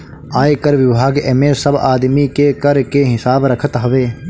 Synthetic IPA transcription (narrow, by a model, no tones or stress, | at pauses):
aːekɐɾʋɪbʱaːɡḛmẽsɐbaːd̪mikekɐɾkeːɦɪsaːbɾɐkʰət̪ɦɐʋeː